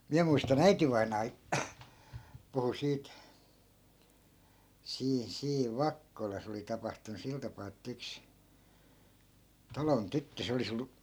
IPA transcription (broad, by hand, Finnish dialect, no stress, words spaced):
miæ muistɑn æitiʋɑinɑː puhu siːt siːn siːʋ ʋɑkːolɑs oli tɑpɑhtunu sil tɑpɑː etːæ̆ yks tɑlon tytːø se olis olːu